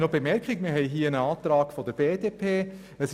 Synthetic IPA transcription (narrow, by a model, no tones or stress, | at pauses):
nobemɛɾkɪkmɪɦɛɪjɦiːəənɑːt̪ɾɑːɡ̥fɔd̥̪əb̥eːdepʰeː | əs